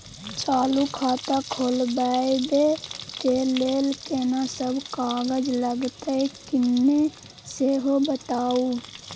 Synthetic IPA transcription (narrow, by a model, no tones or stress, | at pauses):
t͡ʃaːlukʰaːt̪akʰoːlbaːed̪ekeleːlkenasəbkaːɡəd͡ʒləɡt̪aekɪnːe | seɦobət̪aːu